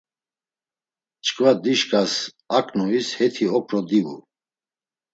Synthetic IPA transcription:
t͡ʃʰʼkʼvad̪iʃkʼas | akʼnɔishɛt̪ʰiɔkʰɾɔd̪ivṵ

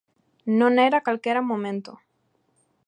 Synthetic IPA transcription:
nõneɾakalkeɾamõmẽnt̪o

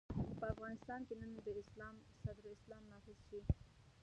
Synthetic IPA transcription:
pəafɣɑnɪst̪ɑnkenənd̪əɪslɑmsad̪ɾɪslɑmnɑfɪz̥ʃi

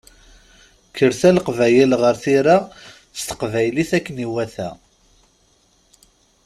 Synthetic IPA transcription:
kːəɾθæləqvæjəlʁəɾθiɾa | θst̪ə̥qvæjliθækːəniwæθæ̰

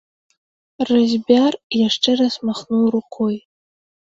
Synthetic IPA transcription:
razbʲarjaʂʈ͡ʂʼɨrasmaχnuɾuqʷʰoj

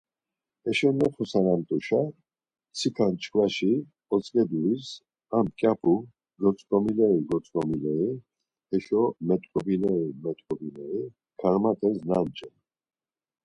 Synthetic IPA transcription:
ɛʃɔnɔχʰɔsanamt̪ʼuʃa | t͡sʰikʰant͡ʃʰʼkʰvaʃi | ɔt͡sʼkʼɛd̪uis | amkʼjapʰu | ɡɔt͡sʼkʼɔmilɛiɡɔt͡sʼkʼɔmilɛi | ɛʃɔmɛt̪ʼkʼɔbinɛimɛt̪ʼkʼɔbinɛi | kʰaɾmat̪ʼɛsnant͡ʃʼɛn

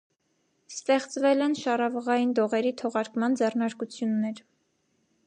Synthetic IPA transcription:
st̪ɛχt͡svɛlɛnʃɑrɑvəʁɑjind̪ɔʁɛɾit̪ʰɔʁɑɾkmɑnd͡zɛrnɑɾkut͡sʰjunːɛɾ

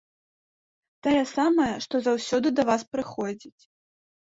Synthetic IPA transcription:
t̪ɔjɛsamɐjɐʂt̪ɔzawsʲɔd̪ɨd̪ɐvaspɾɨxɔd͡zʲit͡sʲ

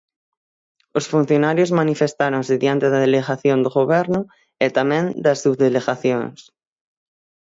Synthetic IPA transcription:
osfun̟θjonaɾjozmanifest̪aɾõŋseðjant̪eðaðeleɣaθjond̪oɣoβ̞ɛɾnʊ | et̪amẽnd̪asuβðeleɣaθjo̰ŋs

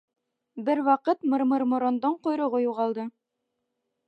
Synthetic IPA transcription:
bɘɾwɑqɤt̪mɤ̆ɾmɤ̆ɾmŏɾond̪ɤɴqŏjɾŏʁojuʁɑlˠd̪ɤ

